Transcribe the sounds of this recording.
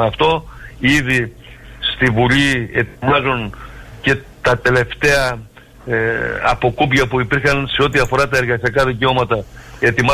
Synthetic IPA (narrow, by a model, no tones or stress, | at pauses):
ɐft̪o̞iði | st̪ivulie̞̰t̪mɐzonce̞ | t̪ɐt̪e̞le̞ft̪e̞ɐ | ɐ̰po̞kupʝɐpuipiɾxɐnse̞o̞t̪̬iɐfo̞ɾɐt̪ɐe̞ɾɣɐsiɐkɐðiceo̞mɐt̪ɐe̞t̪imɐ